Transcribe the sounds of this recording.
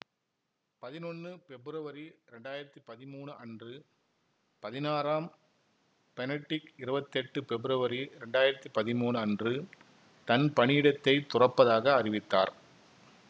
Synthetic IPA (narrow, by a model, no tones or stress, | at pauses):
pɐðɪnɔnːɯfɛbɪɾɐʋɐɾiɾɛɳɖaːjɪɾɐt̪ːipɐðɪmuːɳɯʔɐndrɯ | pɐðɪnaːɾaːm | pɛnɐʈːɪkɪɾɯbɐt̪ːɛʈːɯpɛbɪɾɐʋɐɾiɾɛɳɖaːjɪɾɐt̪ːipɐðɪmuːɳɯɐndrɯ | t̪ɐnpɐɳɪɪɽɐt̪ːɐɪt̪ʊrɐpːɐðaːɣɐːrɪʋɪt̪ːaːɾ